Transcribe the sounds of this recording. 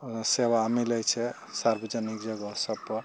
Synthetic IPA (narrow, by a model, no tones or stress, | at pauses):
sebamilɛjt͡ʃʰɛ | saɾbəd͡ʒanikd͡ʒəɡɔsʌbpɔɾ